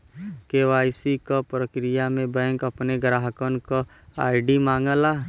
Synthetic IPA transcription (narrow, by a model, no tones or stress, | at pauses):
keʋaːɪsikapɾəkɾɪjamẽbɛ̃ːŋkɐpneɡɾaːɦəkənka | aːɪɖimãːŋɡəlaː